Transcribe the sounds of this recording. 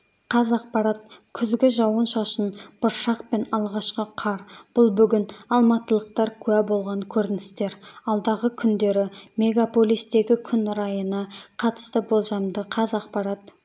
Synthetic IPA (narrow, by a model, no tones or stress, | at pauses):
qʰɑzɑqpɑɾɑt̪̚kʲʰʏzɡʲɪʒɑwənʃɑʃənb̥ʊɾʃɑqpe̞nɑlˠʁɑʃqəqʰɑɾb̥ʊlˠbʏɡʲɪnɑlˠmɑt̪əlˠəqt̪ɑɾkʲʰʉæbo̞lˠʁɑŋkʲʰɵɾɪnɪst̪e̞ɾɑlˠd̪ɑʁəkʲʰʏnd̪e̞ɾɪme̞ɡapo̞lʲijst̪e̞ɡʲɪkʲʰʏnɾɑjənɑqʰɑt̪ə̥st̪əbo̞lˠʒɑmd̪əqʰɑzɑqpɑɾɑt̪